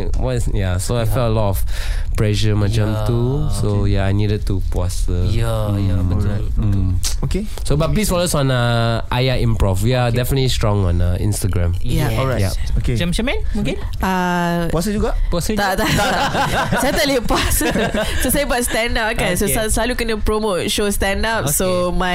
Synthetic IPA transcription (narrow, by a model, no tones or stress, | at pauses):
wɔsjasoajfɛləlɔtɔf | plɛʃəmad͡ʒə̃mt̪usojaajnidəd̚tupasə | oke | sobat̚pisfɔlosɔ̃nəʔajaʔĩmpɹɔfwiadɛfənətlistɹɔ̃ŋɔ̰̃nəḭ̃nstaɡɹãmjaɔja̰oket͡ʃamt͡ʃamɛ̃nke | a | pwasəd͡ʒuɡapast̪at̪aa | sajat̪ɛlipuasəsosajəbɔt̚stɛ̃ndap̚kãnsosasalukanəpɹomot̚ʃostɛ̃ndap̚soma